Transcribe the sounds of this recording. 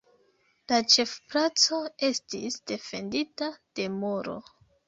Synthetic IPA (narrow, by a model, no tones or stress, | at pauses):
lat͡ʃe̞fplat͡so̞e̞stḭsd̥e̞fe̞nditad̥e̞moɾo̰